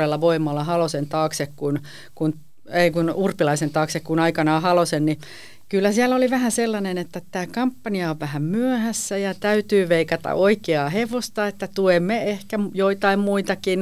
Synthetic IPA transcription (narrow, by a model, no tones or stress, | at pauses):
elːɑʋoimːɑlːɑhɑlosent̪ɑːksekkun | kun | eikunurpilɑisent̪ɑːksekkunɑikɑnɑːhɑlosenni | kylːæsiælːoliʋæhæselːɑnenet̪ːæt̪æːkɑmpːɑniɑoʋʋæhæmmyøhæsːæjɑt̪æyt̪yːʋeikɑt̪ɑ̰ʔoikeɑːheʋost̪ɑet̪ːæt̪uemːeehkæjoit̪ɑimmuit̪ɑkin